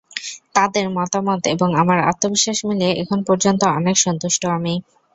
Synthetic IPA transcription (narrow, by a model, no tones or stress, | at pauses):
t̪ad̪eɾmɔt̪amot̪eboŋamaɾa̰t̪ːobiʃːaʃmilieʔḛkʰonpɔɾd͡ʑont̪oɔnekʃɔnt̪uʃʈoami